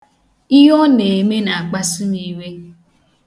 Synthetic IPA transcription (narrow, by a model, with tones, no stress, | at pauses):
i˦ɦɔ˦ne˨me˦na˨a˨k͡pa˦su˦ni˦˨we˦